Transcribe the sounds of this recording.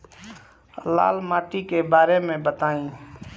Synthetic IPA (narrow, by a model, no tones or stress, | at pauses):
la̰ːlmaːʈikebaːɾemẽbət̪aːĩː